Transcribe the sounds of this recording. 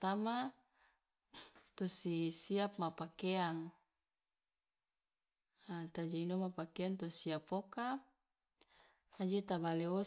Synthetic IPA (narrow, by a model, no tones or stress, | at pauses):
t̪ama | t̪osisiap̚mapakeaŋ | at̪ad͡ʒainomapakeaŋt̪osiapoka | ad͡ʒet̪abaleo